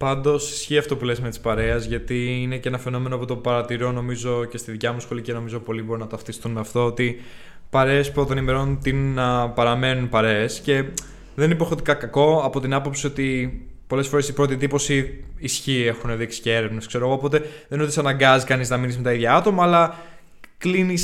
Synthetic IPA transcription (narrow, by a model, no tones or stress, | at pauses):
pɐnd̪o̞si̥sçiɐft̪opule̞zme̞t̪i̥spɐɾe̞ɐzʝɐt̪iine̞cenɐfe̞no̞me̞noɐpo̞t̪opɐɾɐt̪iɾo̞no̞mizo̞ce̞st̪iðicɐmusxo̞lice̞no̞mizo̞po̞libo̞ɾinɐt̪ɐft̪ist̪unmeɐft̪oot̪i | pɐɾe̞ːspɾot̪onime̞ɾo̞nut̪inːɐpɐɾɐme̞nunpɐɾeːsce̞ | ðenipo̞xot̪ikɐkɐko̞ɐpo̞t̪inɐpo̞psio̞t̪ipo̞le̞sfo̞ɾe̞sipɾo̞t̪iðipo̞siːsçiexune̞ðiksi̥cee̞ɾe̞vneskse̞ɾoɣoːpo̞t̪e̞ðe̞not̪isɐnɐŋɡɐzikɐniznɐminizme̞t̪ɐiðʝɐɐt̪o̞mɐːlɐ | klinis